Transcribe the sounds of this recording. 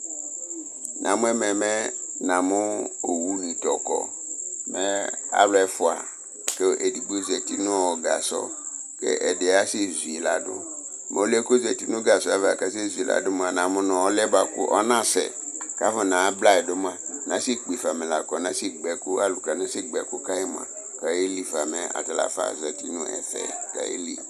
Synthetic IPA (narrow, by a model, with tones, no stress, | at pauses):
nʔã̰˨mʊ̃˦ɛ˦mɛ̃˨mɛ̃˦nã˨mʊ˦o˨wu˦nĩ˨t̪ɔ˨kɔ̰˨mɛ˦a̰˦lɛ˦fʊ˨a̰˨ | ke˦ʔe˨di˨ɡ͡bo˦zɛ˨ti˦nʊ̃˦wɔ˨ɡa̰˨sɔ̰˦kɛ̰˦ʔɛ˨dɪ˨a˦sɪ˦zu˨i˨la̰˨dʊ̰˦ | mʔɛ˨o˦le˦ko˦zɛ˨ti˦nʊ̃˦ɡa˨sɔ˦a˨va˨ka˦s̬e˦zu˨i˨lʔa̰˦dʊ˦m˦a˨nã˨mʊ̃˦nɔ̃˨ɔ˦lɛ˦ba˨kʊ̰˦ʔɔ˦nã˦sɛ̰˨ka˦vɔ˦nã˨˦bla˦ɛ˨dʊ˦m˦a˦nã˨˦si˦k͡pi˨fa˨mɛ̃˨la˨kɔ˨nã˦si˦ɡ͡bɛ˨kʊ˦a˦lu˨ka˨nã˦si˦ɡ͡bɛ˨kʊ˦ka˦je˦m˨a̰˨ | ka˨˦e˦li˦fa˨mɛ˨a̰˨ta˨la̰˨fa̰˦zɛ˨ti˦nʊ̃˦ɛ̰˨θɛ̰˨ka̰˨jḛ˦li˦